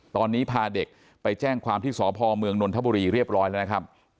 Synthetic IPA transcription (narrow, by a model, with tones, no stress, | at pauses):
t̪ɔː˧nːiː˦˥pʰaː˧de˨˩k̚ | pa˧jt͡ɕɛː˥˩ŋkʰwaː˧mt̪ʰiː˥˩sɔː˩˦pʰɔː˧mɯ˧əŋno˧nt̪ʰa˦˥bu˧ɾiː˧ɾi˥˩əp̚ɾɔː˦˥jlɛ˦˥˩na˦˥kʰɾa˦˥p̚